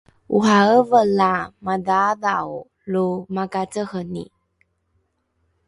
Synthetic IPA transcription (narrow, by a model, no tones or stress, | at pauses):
uɦaəvəlamadaðaw | lumakat͡səhənḭ